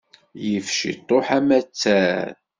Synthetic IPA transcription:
jəfʃḭt̪ˤːoħæmæt͡sːæɾ

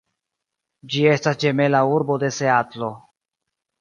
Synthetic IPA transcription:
d͡ʒie̞stasd͡ʒeme̞lauɾbo̞d̪e̞seat̪lo

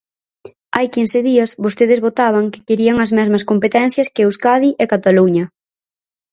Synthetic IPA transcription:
ajkinsɪðiɐsbost̪eð̞ɪzβot̪aβ̞ɐŋkɪ̥keɾiɐŋɐzmɛzmɐskompet̪ɛn̟θjɐskeuskaðiʔekat̪aluɲɐ

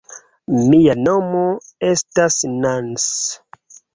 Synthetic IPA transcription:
mijanomoestasnans

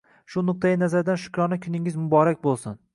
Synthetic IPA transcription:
ʃʊnʊq̚t̪ʰajɪnazaɾd̪anʃʊ̥kʲɾɒnakʲʰʊnɪŋɪzmʊbɒɾakʲbolˠsʊn

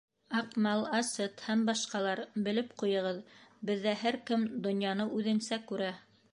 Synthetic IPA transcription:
ɑqmɑlˠɑsɤt̪hæmbɑʃqɑlˠɑɾbɘ̆lɘpqujɤ̆ʁɤðbɘ̆ðːæɦæɾkɘmd̪ŏnjɑnɤʉðɘ̆nsækʉɾæ

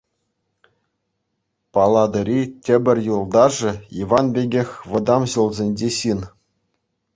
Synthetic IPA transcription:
pɑlˠɑd̪ɤ̆ɾʲitʲɘ̆bʲɘ̆rʲjulˠd̪ɑʐɘ̆iʋɑnbʲeɡʲexʲʋɤ̆d̪ɑmɕulˠzʲenʲd͡ʑʲeɕin

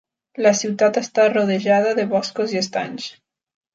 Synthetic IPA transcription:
lasiwt̪at̪est̪aroð̞eʒað̞aðeβɔskoziest̪a̰ɲs

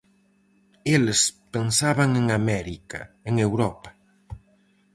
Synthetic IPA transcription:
elespensaβaŋeŋamɛɾika̰ | eŋewɾɔpḁ

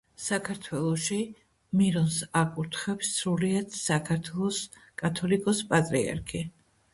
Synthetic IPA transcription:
sakʰaɾt̪ʰwɛlˠɔʃi | miɾɔnsakʼuɾt̪ʰχɛpsːɾuliad̪sakʰaɾt̪ʰwɛlˠɔs | kʼat̪ʰɔlikʼɔspʼat̪ʼɾḭa̰ɾkʰi

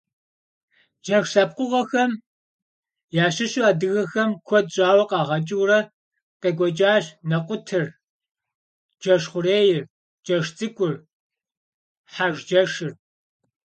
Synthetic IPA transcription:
d͡ʒɐxsɐp̚qʷʊʁɐxɐm | jaːɕɪɕuaːdɨɣɐxɐmkʷʰɔd̚ɕʼaːwɐqɑːʁɐt͡ʃʼɪwrɐ | qeːɡʷɔt͡ʃʼaːɕnɐqʷʊtʰɨr | d͡ʒɐʃχʷʊɾeːjɪr | d͡ʒɐʃt͡sʼɨkʷʼʊr | ħaʒd͡ʒɐʂɪr

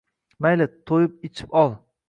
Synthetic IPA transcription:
majlɪt̪ʰːojɪp̚ɪt͡ʃʰɪ̥pɒlˠ

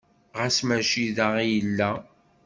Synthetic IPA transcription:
ʁæsmæʃiðaʁijəlːæ

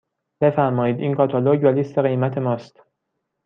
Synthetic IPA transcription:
b̥e̞fæɾmɒːjiːd̪ʔiːnkʰɒːt̪ʰɒloɟvælist̪e̞ɣejmæt̪ʰe̞mɒːst̪

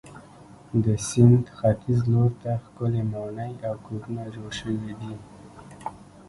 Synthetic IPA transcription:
d̪əsɪnd̪xat̪ɪzloɾt̪axkʊlemanəjawkoɾunad͡ʒoɽʃəwid̪i

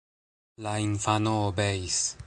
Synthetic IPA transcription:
lainfanoːbeis

